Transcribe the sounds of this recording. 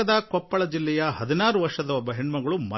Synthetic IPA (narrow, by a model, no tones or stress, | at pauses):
ɐd̪ɐkɔpːɐɭɐd͡ʒilːɛjɐɦɐd̪inaːɾuʋɐɾʂɐd̪ɐɔbɐɦiɳmɐɡɐɭumɐ